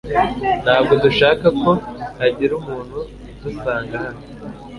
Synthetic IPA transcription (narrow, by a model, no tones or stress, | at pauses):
n̥haːb̚ɡo̞duʃaːkako̞aɟiɾumuːn̥hu | dusaːŋɡahano